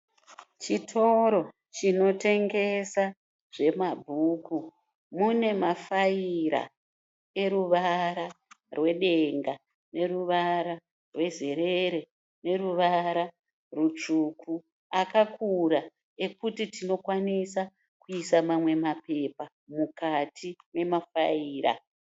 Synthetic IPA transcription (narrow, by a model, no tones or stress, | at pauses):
t͡ʃitʰo̞ɾo̞ | t͡ʃino̞te̞ŋɡe̞sa | ʐe̞mabʱuku | mune̞mafaiɾa̰ | e̞ɾuʋaɾarwe̞ɗe̞ŋɡa | ne̞ruʋaɾa | rwe̞ze̞ɾeɾe̞ | ne̞ruʋaɾa | rut͡ʂuku | akakuɾa | e̞kutitino̞kwanisa | kuisamamwe̞mape̞pa | mukatʰine̞mafaiːɾa̰